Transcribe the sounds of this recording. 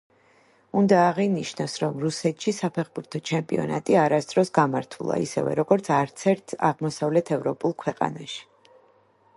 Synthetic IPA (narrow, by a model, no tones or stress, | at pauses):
und̪aːʁiniʃnasɾɔmɾusɛt̪ʰʃisapʰɛχbuɾt̪ʰɔt͡ʃʰɛmpʼiɔ̰na̰t̪ʼiaɾasd̪ɾɔsɡamaɾt̪ʰulˠa̰ḭsɛ̰vɛ̰ɾɔɡɔɾt̪sʰaɾt̪sʰɛɾt̪ʰa̰ʁmɔsavlɛt̪ʰɛvɾɔpʼulˠkʰwɛqʼa̰naʃi̥